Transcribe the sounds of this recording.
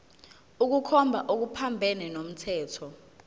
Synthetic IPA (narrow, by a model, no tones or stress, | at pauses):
uk̬ukʰɔmbʱaʔok̬upʰambʱɛnɛnom̩tʰɛːtʰɔ